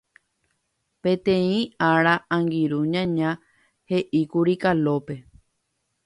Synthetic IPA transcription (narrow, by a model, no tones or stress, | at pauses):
pẽ̞t̪ẽ̞ĩaɾaʔãŋɡiɾuɲãɲã | he̞ʔikuɾikalope̞